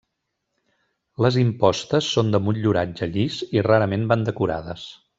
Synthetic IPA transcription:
ləzimpɔst̪əsːond̪əmuʎuɾad͡ʒəʎisiraɾəmemband̪əkuɾa̰ðəs

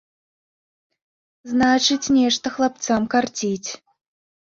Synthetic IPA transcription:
znat͡ʂɨt͡sʲnʲɛʂt̪ɐxlˠap̚t̪samkart͡sʲit͡sʲ

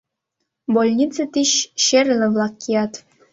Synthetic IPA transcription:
bolʲnʲit͡sɤ̆t̪ʲiɕɕerʲlʲɘ̆ʋlˠɑkʲːijɑt̪

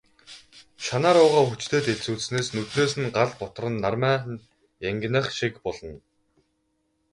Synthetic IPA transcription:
ʃanaːɾʊːʁaːxut͡ɕt̪ʰeːt̪eɮt͡suːt͡ssneːsnɵt̪reːs̬ɘ̆nɢaɮpɔt̪̆rə̆nːarmæː | jæŋɡ̆ʲnə̆χʃikpɔɮɞ̆n

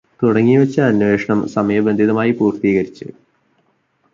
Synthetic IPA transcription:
t̪uɽɐŋːiʋet͡ɕːɐɐnʋe̞ːʂɐɳɐmsɐmɐjɐbɐnd̪ʱiðɐmaːjipuːrt̪iːɣɐɾit͡ɕːɨ̰

